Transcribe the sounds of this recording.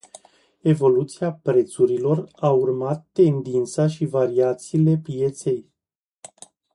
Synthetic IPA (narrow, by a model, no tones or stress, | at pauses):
e̞vo̞lut̪siapɾe̞t̪suɾilo̞raurmat̪ːe̞nd̪int̪saʃivaɾiat̪siːle̞pije̞t̪se̞j